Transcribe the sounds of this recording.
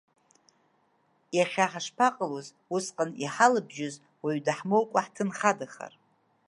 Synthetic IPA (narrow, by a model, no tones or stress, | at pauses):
jaχʲaħaʂpʰaqʼaloz | usqʼaniħalɨbʒɪz | waɥdaħmolkʷʼaħtʰɨnχadaχa̰r